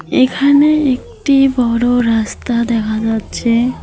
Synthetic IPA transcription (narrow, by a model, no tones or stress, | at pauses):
ekʰaneek̚ | ʈibɔɽoɾast̪ad̪ɛkʰad͡ʑatːɕʰe